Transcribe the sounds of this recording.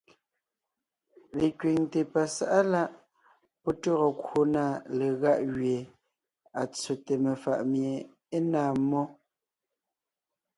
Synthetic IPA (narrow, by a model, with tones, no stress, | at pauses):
le˨kɥe˨ŋte˨pa˨sa˨ʔa˦la˦ʔ | pɔ˦tɔ˦ɣɔ˨ko˦na˦˨le˨ɣa˦ʔɣɥe˨ | a˨t͡so˨te˨me˨fa̰˨ʔmje˨ | e˦naː˦˨mɔ˦